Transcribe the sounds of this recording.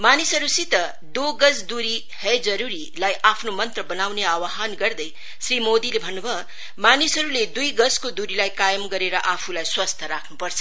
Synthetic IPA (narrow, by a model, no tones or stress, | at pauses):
manisɦʌɾusit̪ʌ | d̪oɡʌd͡zd̪uɾi | hʌd͡zʌɾuɾi | lajʔapʰnomʌnt̪rʌbʌnawneawaɦanɡʌrd̪ʌj | srimod̪ilebʱʌnːubʱʌ | manisɦʌɾuled̪ujɡʌskod̪uɾilajkajʌmɡʌɾeɾʌʔapʰulajswʌst̪ʰʌɾakʰnupʌrt͡sʰʌ